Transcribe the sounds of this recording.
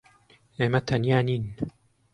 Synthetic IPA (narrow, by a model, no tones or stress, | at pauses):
emat̪ʰanjaːnin